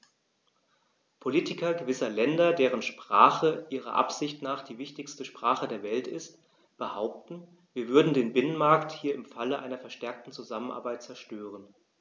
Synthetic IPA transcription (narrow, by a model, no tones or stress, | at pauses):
pʰoliːtɪkɐɡəvɪsɐlɛndɐdeːʁ̞ənʃpʁ̥a̰ːχəʔiːʁɐ̰ʔa̰pz̥ɪçtnaːχd̥iːvɪçtɪçstəʃpʁ̥aːχədeːɐvɛltɪst | b̥əhaʊp̚tn̩ | viːɐvʏɐdn̩deːnbɪnənmaɐkthiːɐɪmfaləʔa̰ɪnɐfɛɐʃtɛɐk̚tn̩t͡suzamənʔa̰ɐbaɪt̚t͡sɛɐʃtøːʁ̞ən